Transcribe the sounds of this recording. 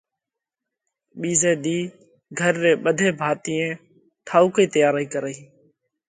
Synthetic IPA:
ɓiːzeːd̪iː | ɡʱəɾːeːɓəd̪ʱeːbʱaːt̪iːẽː | ʈʰaːuːkiːt̪əjaːɾaːiːkəɾaːiː

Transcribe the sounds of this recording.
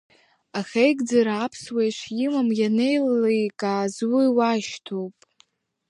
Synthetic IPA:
aχʲejɡʼd͡zaɾapʰswejʃʷʰjɪmamjane̞jlalajkʼaːzwiwaʃtʰo̞wpʼ

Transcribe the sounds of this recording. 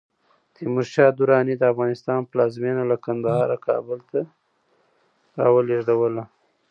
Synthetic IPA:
t̪imʊɾʃɑd̪ʊɾɑnid̪əafɣɑnɪst̪ɑnplɑzmenalakand̪ahɑɾakʰɑ̰bəlt̪a | ɾɑwəleʐɖawəla

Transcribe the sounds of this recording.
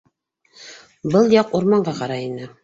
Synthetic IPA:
bɤlˠjɑquɾmɑɴɢɑqɑɾɑinɘ

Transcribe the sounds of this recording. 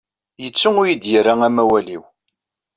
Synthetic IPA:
jət͡sːuŋʊjid̪jəɾːaŋæmæwælḭw

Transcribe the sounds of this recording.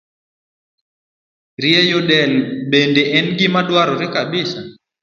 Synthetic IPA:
ɾjɛjɔdɛlbendeʔɛnɡɪmadwaɾɔɾɪkabɪsa

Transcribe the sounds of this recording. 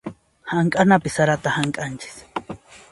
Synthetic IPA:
haŋkʼanapɪsaɾat̪ahaŋkʼant͡ʃɪ̥s

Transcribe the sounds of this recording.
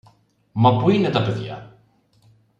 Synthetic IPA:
mɐpuinet̪ɐpeðja̰

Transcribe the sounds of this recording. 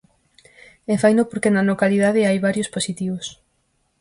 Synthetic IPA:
efajnopoɾkenɐnokaliðaðɪajβaɾjosposit̪iβos

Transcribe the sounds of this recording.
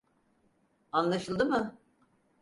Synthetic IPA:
anlˠaʃɯlˠd̪ɯmɯ

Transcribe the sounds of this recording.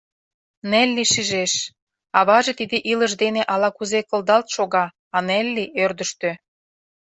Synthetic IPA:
nelʲːiʃiʒeʃ | ɑβɑʒet̪id̪eʔiləʃd̪eneʔɑlɑkuzekɤ̆ld̪ɑlt̪ʃoɣɑ | ɑnelʲːiʔørd̪ə̆ʃt̪ø

